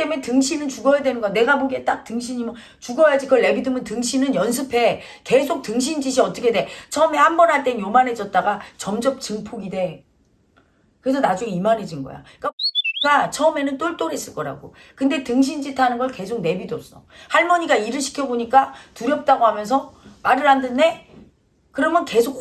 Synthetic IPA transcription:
t͈eme̞ntɯŋɕʰinɯnt͡ɕuɡʌjadwenɯnɡʌjne̞ɡaboɡiet͈ak̚tɯŋɕʰiɲimʌ | t͡ɕuɡʌjad͡ʑikʌɭːe̞bidɯmɯntɯŋɕʰinɯnjʌns̬ʰɯpʰe̞ | ke̞sʰok̚tɯŋɕʰind͡ʑiɕ̬ʰiʌt͈ʌkʰe̞de̞t͡ɕʰʌɯme̞hambʌnɦaɭt͈enjomane̞d͡ʑʌt̚t͈aɡat͡ɕʌmd͡ʑʌp̚t͡ɕɯŋpʰoɡide̞ | kɯɾesʰʌnad͡ʑuŋeimaned͡ʑinɡʌ̰ja̰ | k͈aɡat͡ɕʰʌɯme̞nɯnt͈oɭt͈oɾes͈ɯɭk͈ʌɾa̰ɡo̰ | kɯnde̞tɯŋɕ̬ʰind͡ʑitʰanɯnɡʌɭke̞sʰok̚ne̞bidʌp̚s͈ʌhaɭmʌɲiɡaiɾɯɭɕʰi̥kʰjʌboɲik͈atuɾjʌp̚t͈aɡoɦamjʌns̬ʰʌmaɾɯɭɦandɯnːe | kɯɾʌmjʌnke̞sʰok̚

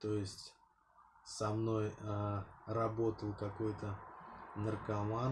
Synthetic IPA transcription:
t̪o̞jɪsʲtʲ | sɐmno̞jərɐbo̞t̪əlˠkɐko̞jt̪ənərkɐma

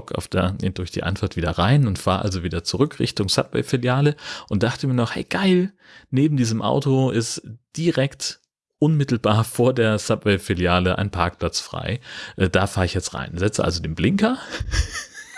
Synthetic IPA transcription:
kʰa̰ʊfd̥eɐnḛd̥ʊɐçd̥ḭːʔa̰nfaɐtv̥iːdɐʁaɪnʊntfaːɐʔa̰lzoviːdɐt͡suʁʏkʁɪ̰çtʊŋsa̰pvɛ̰ɪfɪljaːləʔʊnt̚d̥aχtəmiːɐnɔχhɛ̰ɪɡ̥aɪl | neːbm̩diːzəmʔa̰ʊtoʔɪstd̥iʁɛkt | ʔʊnmɪtl̩baːɐfoːɐdeːɐsapvɛɪfɪljaːləʔa̰ɪnpʰaɐk̚pl̥at͡sfʁ̥a̰ɪʔɛːd̥aːfaːɐɪçjɛt͡stʁa̰ɪnzɛt͡sə̰ʔa̰lzodeːnblɪŋkɐ

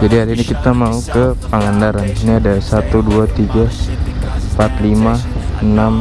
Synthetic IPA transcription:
d͡ʒadiɦaɾinikit̪amaukəpəŋandaɾaniniadasat̪uduat̪iɡa | mpat̪limaənam

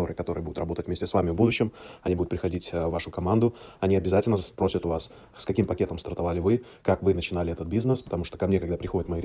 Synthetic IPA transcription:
oɾɨkɐt̪o̞ɾɨjəbud̪ʊt̪rɐbo̞t̪ətʲvmʲesʲtʲɪsvamʲɪvbud̪ʊɕːɪmɐnʲibud̪ʊt̪pɾʲɪxɐdʲitʲvːaʂʊkɐmand̪ʊɐnʲiɐbʲɪzatʲɪlʲnəspɾo̞sʲət̪ʊvas | skɐkʲimpɐkʲe̞t̪əmst̪ərt̪ɐvalʲɪvɨ | kakvɨnət͡ɕɪnalʲɪɛt̪ət̪̚bʲiznəspə̥t̪ɐmuʂt̪o̞kɐmnʲekɐɡd̪apɾʲɪxo̞dʲɪt̪mɐjiɾʲ

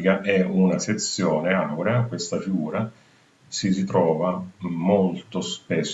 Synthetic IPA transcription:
ikaʔɛunaset̪sːjɔːneawɾeakwest̪afiɡuːɾa | sis̬it̪ɾɔːvamolt̪ospes

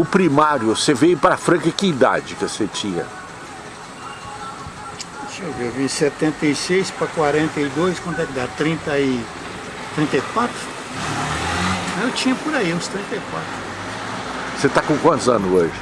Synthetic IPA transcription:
ʊpɾimaɾjʊsevejʊpɾafɾɐ̃kɐkɪid̪a̰d͡ʒɪkoset͡ʃĩɲɐ̰ | seviwvĩsɛt̪ẽnt̪ɐjsejspɾɐkwaɾẽnt̪ɐid̪ojskwɐ̃nd̪ɛkɪd̪at̪ɾĩnt̪ɐi | t̪ɾĩnt̪ɐjkwat̪ɾʊ | ɐ̃ewt͡ʃĩɲɐpʊɾaiɐʊ̃st̪ɾĩnt̪ɐjkwat̪ɾʊ | set̪akõkɐ̃t̪ʊzɐ̰̃nʊoʒɪ

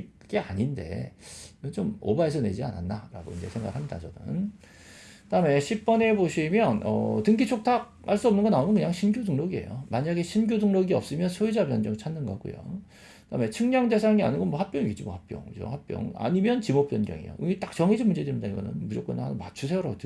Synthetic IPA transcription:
k͈e̞aɲinde̞̰ | ɯt͡ɕomo̰baesʰʌne̞̰d͡ʑia̰na̰nːaɾa̰ɡoḭnd͡ʑe̞sʰeŋɡaɡɯɭhamɲida̰t͡ɕʌnɯ̰n | daɯme̞ɕʰip̚p͈ʌne̞boɕʰimjʌnʌ̰tɯŋɡit͡ɕʰok̚tʰak̚haɭs͈uʌmnɯnɡʌnaomjʌnkɯɲaŋɕʰinɡjodɯŋɾʌɡie̞̰jo̰maɲaɡe̞ɕʰinɡjodɯŋɾʌɡiʌp̚s͈ɯmjʌnsʰoid͡ʑabjʌnd͡ʑʌŋiɭt͡ɕʰanːɯnɡʌɡṵjo̰ | kd̥amet͡ɕʰɯŋɲaŋde̞s̬ʰaŋia̰nɯnɡʌnmwʌhak̚p͈jʌŋiɡit͡ɕimoʌhak̚p͈jʌ̰ŋd͡ʑo̰hak̚p͈jʌ̰ŋa̰ɲimjʌnt͡ɕimop͈jʌnd͡ʑjʌ̰ŋḭjo̰ɯŋit͈ak̚t͡ɕʌŋed͡ʑinmund͡ʑe̞dɯɭimidaiɡʌ̰nɯ̰nmud͡ʑʌk͈ɯna̰nmat͡ɕʰusʰeoɾaɡotɯ

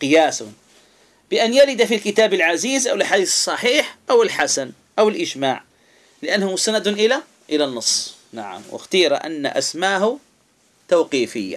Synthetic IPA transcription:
qɨjaːsʊn | b̥ɪʔanjalɪd̪afilkɪt̪aːbɪlʕaziːzʔawɪllħad̪iːθɨ̥sˤːɑħiːħʔawɪlħasan | ʔawɪlʔɪd͡ʒmaːʕ | lɪʔanːhʊmsanad̪ʔɪla | ʔɪlanːɑsˤːna̰ʕa̰mwɪ̰xt̪iːɾˤa̰ʔa̰nːa̰ʔa̰smaːhʊ | t̪awqiːfɪjːa̰

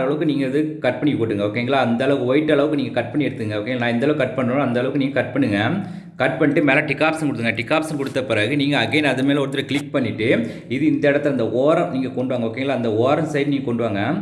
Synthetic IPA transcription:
ɐɭɐʋɯkːɯniːŋɡɐɪðɯkɐʈ̚pɐɳɪkːkɔʈːɯŋɡɐoːkːeːŋɡɐɭaːɐnd̪ɐɭɐʋɯkɯʋɔɪʈːɐɭɐʋɯkɯniːŋɡɐkɐʈ̚pɐɳːɪɛɽɯt̪ːɯɯŋɡɐoːkeːŋɐnaːɪɛnd̪ɐɭɐʋɯkɐʈ̚pɐɳɾoːnɐnd̪ɐɭɐʋɯkːɯniːŋɡɐkɐʈ̚pɐɳːɯŋɡɐ | kɐʈpɐɳːɪʈːɯmeːlɐ̃ʈɪkːaːpsɐmkɔɽɯt̪ːɯŋɡɐʈɪkːaːpsɐmkɔɽɯt̪ːɐpɪɾɐɣɯniːŋɡɐɐɡeːnɐðɯmeːlɐɔɾt̪ɪlɐklɪk̚pɐɳːɪʈːɯ | ɪðɯɪnd̪ɐɪɽɐt̪ːlɐnd̪ɐoːɾɐ̃niːŋɡɐkɔɳɖɯʋaːŋɡɐoːkːeːŋɡlaːɐnd̪ɐoːɾɐnsɐɪɾniːɡɐkɔɳɖɯʋaːŋɡɐ

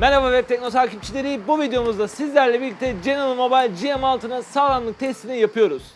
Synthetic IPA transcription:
mɛlʲavavɛpt̪ʰɛc̚no̞t̪ʰaːcip̚t͡ʃʰilʲe̞ɾibuvid̪ejo̞muzd̪asizlʲæɾlʲɛbilʲːic̚t̪ʰɛd͡ʒenalˠmo̞bajlʲd͡ʒijemalˠt̪ʰɯnɯsaɾanlˠɯk̚t̪ʰɛst̪ʰinijapʰɯjo̞ɾuz̥

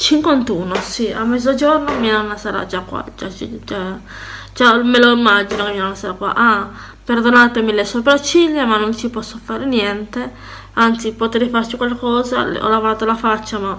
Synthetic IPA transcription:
t͡ʃiŋkwant̪uːnosia̰mːɛd̪zːod͡ʒornomianonasaːɾa̰d͡ʒakːwa̰d͡ʒa̰t͡ʃd͡ʒa | d͡ʒameloimːad͡ʒinokemianonasaːɾakwa̰ʔa | perd̪onaːt̪emilesopɾat͡ʃːiʎːemanːont͡ʃipɔsːofaːɾenjɛnt̪e | ant̪sipot̪ɛɾefart͡ʃikwalkɔːza̰l̰ɔ̰lavoɾaːt̪olafat͡ʃːama

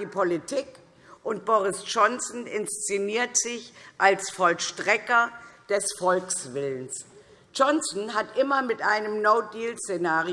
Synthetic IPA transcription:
iːpʰolitʰik | ʔʊnt̚b̥ɔʁɪsd͡ʒɔnsn̩ɪnst͡seniːɐtz̥ɪçʔalsfɔlʃtʁ̥ɛkɐd̥ɛsfɔlksv̥ɪləns | d͡ʒɔnsn̩ɦatʔɪmɐmɪtʔaɪnəmnoʊdiːlsenaːʁi

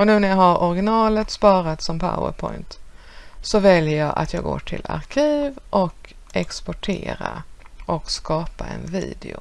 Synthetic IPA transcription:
ɔnʉ̟ːnæɾjahaɾʔɔɾɡɪnɑːlət̪spɑːɾat̪sɔmpʰa̰ʊə̰ɾpʰɔjnt̪ | sɔvɛljəjɑːʔa̰t̪jɑːɡo̰ːʈʰɪla̰ɾkʰiːvʔɔk | ɛkspɔʈʰeːɾaʔɔkskɑːpaɛ̰nviːd̪ɪʊ

